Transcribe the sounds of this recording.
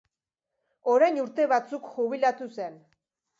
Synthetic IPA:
o̞ɾajnuɾt̪e̞βat͡sukxuβilat̪use̞n

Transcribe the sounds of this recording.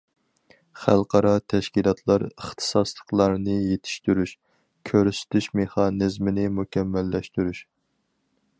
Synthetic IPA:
χælˠqʰɑɾɑt̪ʰɛʃkʲilˠɑt̪ʰlˠɑɾəχt̪ʰɨ̥sɑslˠəqlˠɑɾnɨjet̪ʰɪ̥ʃt̪yɾyʃ | kʲʰøɾysy̥t̪ʰyʃmeχɑnɨzmɪnɪmukʲɛmːɛlːɛʃt̪yɾyʃ

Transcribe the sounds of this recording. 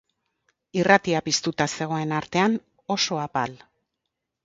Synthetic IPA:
irat̪iapist̪ut̪ase̞ɣ̞o̞e̞naɾt̪e̞an | o̞so̞apal

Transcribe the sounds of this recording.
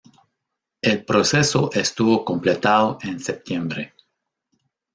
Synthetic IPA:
elpɾosesoʔest̪uβokõmplet̪aðoʔensep̚t̪jembɾe

